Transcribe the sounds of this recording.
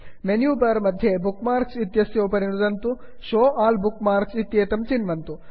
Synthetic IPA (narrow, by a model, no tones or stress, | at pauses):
menjuːbɐɾmɐd̪ʱjebukmaːɾksit̪jɐsjoːpɐɾiɳud̪ɐnt̪u | ʃoːʔaːlbukmaːɾksit̪jeːt̪ɐmt͡ʃinʋɐnt̪u